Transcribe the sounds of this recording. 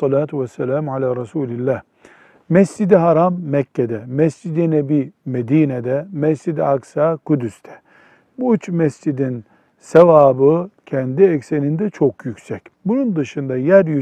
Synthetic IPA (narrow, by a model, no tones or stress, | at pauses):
ɑlaːt̪ʰuvɛsːɛlaːmʕalæːɾɑsuːlilːæːh | mɛsd͡ʒid̪iɦaɾamːɛcʰːɛd̪ɛmɛsd͡ʒid̪inebimed̪iːnɛd̪ɛmɛsd͡ʒid̪iaksakud̪yst̪ʰɛ̥ | buyt͡ʃmɛsd͡ʒid̪in | sevaːbɯcʰɛnd̪iɛcselind̪ɛt͡ʃʰo̞kjycsɛcbunund̪ɯʃɯnd̪ajæɾjy